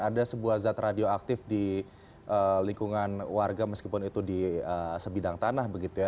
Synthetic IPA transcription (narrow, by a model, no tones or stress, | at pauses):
adasəbuahzat̪radioak̚t̪ɪfdi | ʔəliŋkuŋanwarɡaməskipʊnit̪udiəsəbidaŋt̪anahbəɡit̪uja